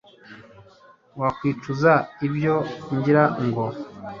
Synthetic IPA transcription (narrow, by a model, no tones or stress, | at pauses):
wakwiːtuzaiβjo̞ɲɟiɾaŋɡo̞